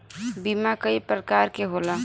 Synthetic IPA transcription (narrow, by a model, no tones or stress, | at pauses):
bimakəipɾəkaːɾkeɦola